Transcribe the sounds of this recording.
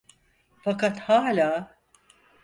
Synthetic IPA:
fakat̪haːlʲaː

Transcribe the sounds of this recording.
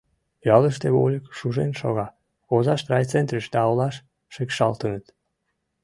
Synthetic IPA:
jɑləʃt̪eβo̰lʲəkʃuʒenʃo̰ɣɑ | ozɑʃt̪rɑjt͡sent̪ɾəʃd̪ɑolɑʃ | ʃekʃɑ̰lt̪ənət̪

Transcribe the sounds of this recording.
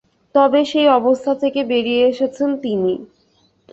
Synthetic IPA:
t̪ɔbeʃejɔbost̪ʰat̪ʰekebeɾijeeʃet͡ɕʰent̪ini

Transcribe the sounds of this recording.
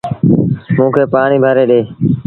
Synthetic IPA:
mũːkʰeːpaːɳiːbʱəɾeːɗeː

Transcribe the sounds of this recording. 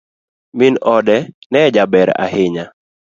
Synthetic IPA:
minɔdɛnɛd͡ʒabɛɾa̰hɪɲa

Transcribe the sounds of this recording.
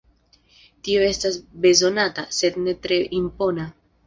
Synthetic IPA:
tio̞e̞stasbe̞zo̞natase̞dne̞tɾe̞ʔimpo̞na

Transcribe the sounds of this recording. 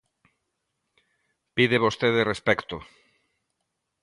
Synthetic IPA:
piðeβost̪eðerespɛkt̪o

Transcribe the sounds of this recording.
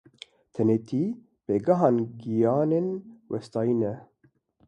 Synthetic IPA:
t̪ʰɛnet̪ʰiː | beːɡɐɦɑːnɡijɑːneːnwʔɛst̪ɑːinɛ

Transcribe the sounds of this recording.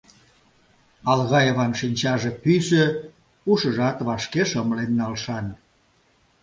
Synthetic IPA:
ɑlɣɑjeβɑnʃinʲt͡ɕɑʒĕpysə̆ | uʃəʒɑt̪βɑʃkeʃəməlenːɑlʃɑn

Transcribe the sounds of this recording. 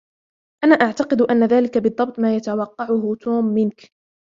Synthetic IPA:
ʔanaːʔaʕt̪ɑqɨd̪ʔanːaðaːlɪkabɨd̪ˤːɑb̚t̪ˤmaːjat̪awɑqːɑʕʊɦʊt̪ʰoːmːɪnk

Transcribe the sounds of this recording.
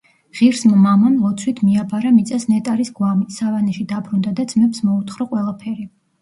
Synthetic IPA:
ʁ̥iɾsmmamamlˠɔt̪sʰwit̪ʰmiabaɾamit̪sʼasnɛt̪ʼaɾisɡwamisavanɛʃid̪abɾund̪ad̪ad̪zmɛpsmɔut̪ʰχɾɔqʼwɛlˠapʰɛɾi

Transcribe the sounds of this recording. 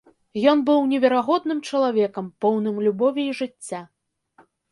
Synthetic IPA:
jɔnbɨwnʲɛvʲɛɾaɣɔd̪nɨmt͡ʂɐlˠavʲɛkɐmpɔwnɨmlʲubɔvʲiiʐɨt͡sʲːa

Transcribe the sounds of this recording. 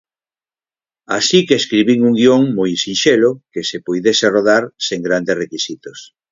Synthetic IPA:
asikeːskɾiβiŋuŋɡioŋmojsinʃelokesepojðeseroðaɾseŋɡɾand̪esrekisit̪os

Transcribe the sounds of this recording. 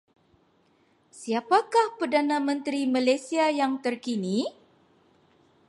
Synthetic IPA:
siapakahpərdanãmə̃nt̪ɾimalajsiajaŋt̪ərkini

